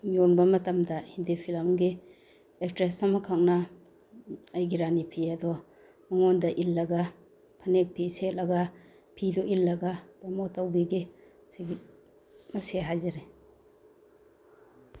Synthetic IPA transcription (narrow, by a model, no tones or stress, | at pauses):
jonbɐmɐtɐmdɐhindipʰilamɡi | ekstɾesɐmakʰak̚na | ajɡiɾanipʰiadɔ | mɐŋɔndɐʔilːɐɡa | pʰɐnek̚pʰiset̚lɐɡa | pʰidɔʔilːɐɡapɔmɔtawbiɡi | siɡi | mɐseɦajzaɾe